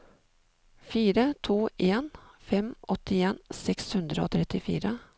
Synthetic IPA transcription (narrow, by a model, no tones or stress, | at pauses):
fiːɾət̪ʰuːʔeːnfɛmɔt̪ɪeːnsɛkshʉnd̪ɾəo̰ːt̪ʰɾɛt̪ɪfḭːɾə